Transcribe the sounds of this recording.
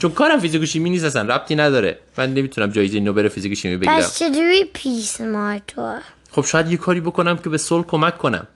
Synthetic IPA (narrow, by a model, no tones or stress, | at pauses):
t͡ʃʰonkʰɒːɾæmfizikʰoʃiːmiːnist̪æsænræb̚t̪ʰiːnæd̪ɒːɾḛmænːe̞miːt̪ʰunæmd͡ʒɒːjezeiːnoːbeɾefizikoʃiːmibeɡiæɾæsmt͡ʃʰeduɾipʰismɑtʰo | χob̥ʃɒːjæd̪jekʰɒːɾiːbo̞ko̞næmcʰe̞besolkʰomækʰːonæ̰m